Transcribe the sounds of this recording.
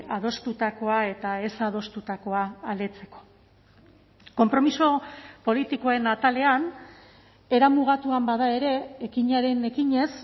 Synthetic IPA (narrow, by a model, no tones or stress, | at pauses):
að̞o̞st̪ut̪ako̞ae̞t̪ae̞sað̞o̞st̪ut̪ako̞aːle̞t͡se̞̥ko̞̥ | ko̞mpɾo̞miso̞po̞lit̪iko̞e̞nat̪ale̞an | e̞ɾamuɣ̞at̪uambaðae̞ɾe̞ːkiɲaɾe̞ne̞kiɲe̞s